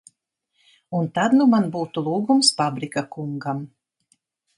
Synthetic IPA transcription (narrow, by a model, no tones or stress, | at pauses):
unt̪ad̪numanbuːt̪ulˠuːɡumsfabɾikakuŋɡam